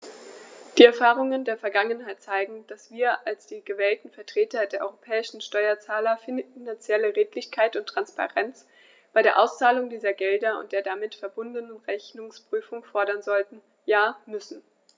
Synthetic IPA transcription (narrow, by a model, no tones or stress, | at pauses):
d̥iːɛɐfaːʁʊŋəndeːɐfɛɐɡaŋənɦaɪtt͡saɪɡŋ̩d̥asv̥iːɐʔalsd̥iːɡəvɛːltn̩fɛɐtʁ̥eːtɐdeːɐʔɔʏʁopʰɛːɪʃn̩ʃtɔʏɐt͡saːlɐfɪnant͡sjɛləʁeːtlɪçkʰaɪtʊntːʁ̥anspa̰ʁɛnt͡s | b̥aɪɾeːɐʔaʊst͡saːlʊŋdiːzɐɡɛldɐʊ̰ntd̥eːɐdamɪtfɛɐbʊndənənʁɛçnʊŋspʁ̥yːfʊŋfɔɐɾɐnzɔltn̩ | jaːmʏsn̩